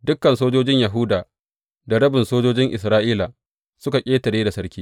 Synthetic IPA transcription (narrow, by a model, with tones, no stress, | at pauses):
dʊ˦kːɐ˨nsoː˦d͡ʒoː˦d͡ʒɪ˦ɲjɐ˨ɦʊ˦daː˨ | da˨ɽɐ˦bɪ˨nsoː˦d͡ʒoː˦d͡ʒɪ˦ŋʔɪ˨s̬ɾaː˦ʔiː˦la˨ | sʊ˦ka˨kʲʼeː˦tɐ˨ɽeː˦da˨sɐ˦ɾkʲiː˦